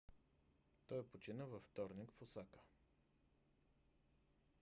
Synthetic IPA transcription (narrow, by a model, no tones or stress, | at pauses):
t̪ɔjpot͡ʃinəvəft̪ɔɾnikfosakə̥